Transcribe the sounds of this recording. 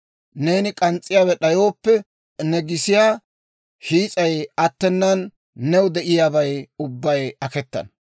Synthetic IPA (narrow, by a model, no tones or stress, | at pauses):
ne̞ːnɪkʼɐnt͡sʼːɪjaːwɛɗɐjo̞ːpːɛ | nɛɡɪsɪjaː | hiːt͡sʼɐjɐt̪ːɛnːɐnː | ɛwd̪ɛʔɪjaːbɐjʊbːɐjɐkɛt̪ːɐ̰n